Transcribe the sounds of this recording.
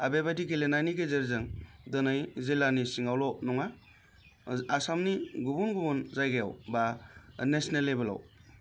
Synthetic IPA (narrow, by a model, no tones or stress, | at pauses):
abebajdikelenajniɡezeɾzɯŋdɔnɯjzilanisiŋawlɔnɔŋa | asamniɡubunɡubunzajɡeja̰wbanesnelːebela̰w